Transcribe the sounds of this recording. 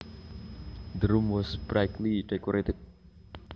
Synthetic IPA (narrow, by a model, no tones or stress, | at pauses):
d̪əɾumwɔsb̥ɾajkliɖekɔɾet̪ɛt̚